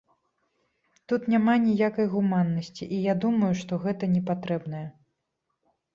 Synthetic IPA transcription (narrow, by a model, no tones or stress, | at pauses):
t̪ut̪nʲamanʲijakɐjɣumanːɐsʲt͡sʲiʔijad̪umɐjuʂt̪ɔɣɛt̪ɐnʲɛpat̪ɾɛbnɐjɐ